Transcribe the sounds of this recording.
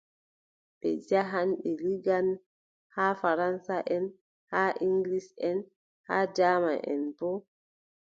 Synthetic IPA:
ɓɛ̰d͡ʒaɦanɓɛliɡan | haːfaɾansaʔɛn | haʔiŋɡlisɛn | haːd͡ʒaːma̰ʔɛ̰nbɔ

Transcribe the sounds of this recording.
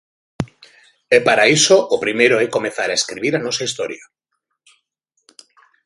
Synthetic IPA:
epaɾaisoʔopɾimejɾoekomeθaɾaeskɾiβiɾanosaist̪oɾja

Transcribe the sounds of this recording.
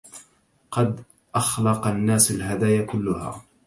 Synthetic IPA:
qɑd̪ | ʔɑxlɑqanːaːsalɦad̪aːjakʊlːʊha̰ː

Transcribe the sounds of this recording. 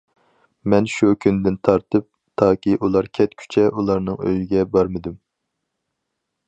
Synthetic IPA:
mɛnʃukʲʰynd̪ɪnt̪ʰɑɾt̪ʰɨp̚ | t̪ʰɑːkʲiʔulˠɑɾkʲʰɛt̪kʲʰy̥t͡ʃʰɛʔulˠɑɾnɨŋø̰jiɡʲɛbɑɾmɨd̪ym

